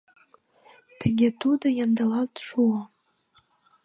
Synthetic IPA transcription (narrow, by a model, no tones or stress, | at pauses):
t̪ʰə̆ɡʲet̪ud̪əjamd̪ɑlɑlt̪ʃuə